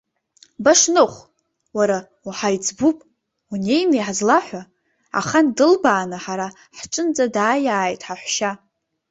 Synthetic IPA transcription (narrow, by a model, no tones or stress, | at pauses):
baʂnɨχʷ | waɾa | uħajt͡sʰʼbupʼ | une̞jnɨjħazlaħʷa | a̰χandɨlbaːnɨħaɾa | ħʈ͡ʂʼɨnd͡zʼadaːjaːjtʼħaħʷʃa